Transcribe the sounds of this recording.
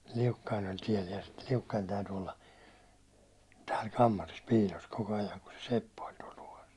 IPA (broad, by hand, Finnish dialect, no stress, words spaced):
liukːɑin olʲ tiel jɑ ste liukːɑin̞ tæyty olːɑ tæːl kɑmːɑris piːlos koko ɑjɑŋ ku se sepːæ olʲ tuɒl tuʋɑs